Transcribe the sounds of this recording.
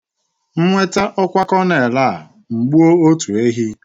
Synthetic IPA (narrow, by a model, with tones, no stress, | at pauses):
ŋ͡m̩˦ŋʷe˦ta˦ʔɔ˦kʷa˦kɔ˦ne˨la˦˨a˨ | ŋ͡m̩˨ɡ͡bu˦o˦o˦tu˨e˦ɦi˦